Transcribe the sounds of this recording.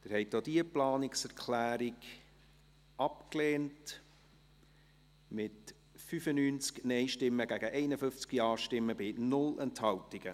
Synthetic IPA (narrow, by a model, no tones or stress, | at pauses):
d̪̥ɪɾhɛɪtdoːdiəplɑːnɪksɛɾkʰlæːɾiɡ | ɑpkleːnt | mɪt | fyfənyːnt͡sknɛɪʃtɪmːəɡ̥æɡ̥əʔɛɪnəfʏft͡skiɑːʃtɪmːəbɪnʊlɛnthɑwtɪɡ̥ə